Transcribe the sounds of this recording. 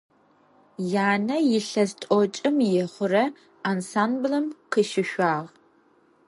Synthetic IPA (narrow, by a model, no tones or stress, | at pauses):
jaːnɐjɪɬɐztʼɔt͡ʃʼɨmjɛχʷʊrɐ | aːnsaːnblɐmqəʃɪʃʷaːʁ